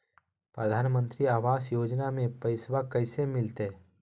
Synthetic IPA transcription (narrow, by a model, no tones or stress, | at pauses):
pɾəd̪ʱaːnmə̃nt̪ɾiaːʋaːsjoːd͡ʒnamẽpəɪsʋakɐɪsemɪlt̪e